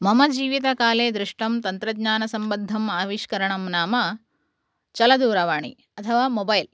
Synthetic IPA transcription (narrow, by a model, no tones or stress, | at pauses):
mɐmɐd͡ʒiːʋit̪ɐkaːleːd̪ɾɪʂʈɐmt̪ɐnt̪ɾɐd̪ɲaːnɐsɐmbɐnd̪ʱːɐmaːʋiʃkɐɾɐɳɐmnaːmɐ | t͡ʃɐlɐd̪uːɾɐʋaːɳḭ | ɐt̪ʰɐʋaːmobɐjl